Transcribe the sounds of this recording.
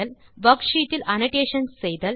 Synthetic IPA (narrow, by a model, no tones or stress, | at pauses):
ɐlʋɐkʂiːʈːɪlʔɐnɐʈeːʂɐnsːɛjðɐl